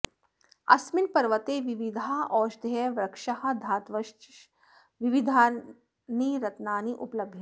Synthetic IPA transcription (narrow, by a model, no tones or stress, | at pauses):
ɐ̰smɪnpɐɾʋət̪eːʋɪʋid̪ʱaaɔːʃd̪ʱeʋɾɐkʃɐhɐ̆d̪ʱaːt̪ʋɐʃ | ʋiʋid̪ʱaː | niɾɐt̪naːniʔʊplɐbʱji